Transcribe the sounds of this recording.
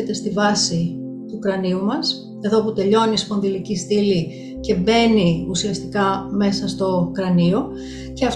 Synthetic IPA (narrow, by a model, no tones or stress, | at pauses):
et̪e̞st̪ivɐsi | t̪uːkɾɐniumɐs | e̞ðo̞put̪e̞ʎo̞nispo̞nðilicist̪ili | ce̞be̞niusiɐst̪ikɐme̞sɐst̪o̞kɾɐnio̞ | ceɐf